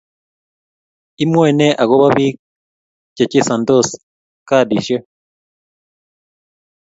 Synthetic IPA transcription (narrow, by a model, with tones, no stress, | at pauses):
i˦mwe˦˨ne˦ʔa˨ɣo˦βa˦βi˦ | ce˨ci˦sa˨ndo˦˨s | ka˦˨dḭ˨ʃe˦